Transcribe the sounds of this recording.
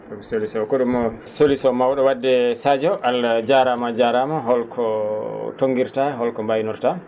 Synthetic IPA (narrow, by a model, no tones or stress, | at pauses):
ɗɔkɔsolisɔkoɗumɔsolisɔmawɗɔwadːɛsad͡ʒɔʔalad͡ʒaɾamad͡ʒaɾamaɦɔlkʰɔtoŋɡiɾtaɦɔlkɔmbajnuɾta